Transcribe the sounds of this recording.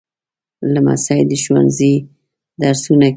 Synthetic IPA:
lama̰sɑjd̪əʃwa̰nzi | d̪aɾsuna

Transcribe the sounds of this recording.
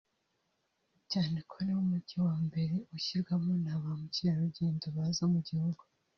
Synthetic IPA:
caːnekʰonewumuɟiwaːmbe̞ɾe̞uçiɾɡwamonaːβamuciɾaɾuɟe̞ːndoβaːzomuɟihuɡu

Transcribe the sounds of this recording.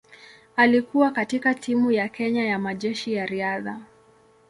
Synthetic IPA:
alikuwakatikatʰimujakɛɲajamaʄɛʃijaɾiaða

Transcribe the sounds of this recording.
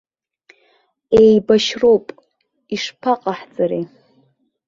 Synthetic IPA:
ejbaʃro̞wpʼ | iʂpʰaqʼaħd͡zʼaɾḛ

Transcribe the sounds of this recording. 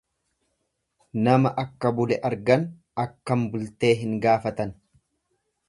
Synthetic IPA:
nɐmɐʔɐkːɐbʊlɛʔɐɾɡɐn | ɐkːɐmbʊlt̪e̞ːɦɪŋɡaːfɐt̪ɐn

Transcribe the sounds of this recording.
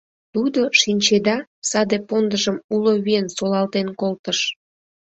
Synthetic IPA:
t̪ud̪oʃinʲt͡ɕed̪ɑsɑd̪epond̪əʒəmuloβiensolɑlt̪enkolt̪əʃ

